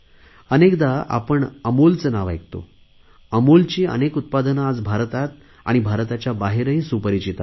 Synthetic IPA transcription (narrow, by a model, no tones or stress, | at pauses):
ənekd̪aʔa̰pəɳəmolt͡sənaʋajkt̪o̰ | əmolt͡ɕiːə̰nekut̪̚pad̪ənad͡zbʱaɾt̪at̪̚ | a̰ɽ̃ibʱaɾt̪at͡ɕjabaɦeɾəɦĩsupəɾit͡ɕit̪a